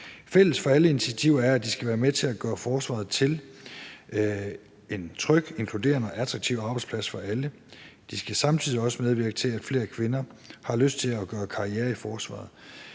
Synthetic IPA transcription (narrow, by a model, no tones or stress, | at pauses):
fel̰əsfɒ̽æləinit͡sʰiæt͡sʰiʊ̰ɐæɐæd̥isɡ̥æʋæːɐmet͡sʰe̝læɡ̥ɶːɐfɒːsʋɑ̰̈ð̩ˠt͡sʰe̝l | e̝nt͡sʰʁœɡ̥e̝nkʰlud̥e̝̰ːɐnəɒ̽ʔæt͡sʰʁɑ̈ɡ̥̚t͡sʰiʊɑ̈ːb̥ɑ̈ɪdspʰlæsfɒ̽ælə | d̥isɡ̥æsɑ̈mt͡sʰiðˠiɒ̽səmeð̞ˠʋiɐɡ̥ət͡sʰe̝læd̥fle̝̰ːɐkʰʋe̝nɐhɑ̈løsd̥̚t͡sʰe̝læɡ̥ɶːɐkʰɑ̈ieːɐifɒːsʋɑ̰̈ːð̩ˠ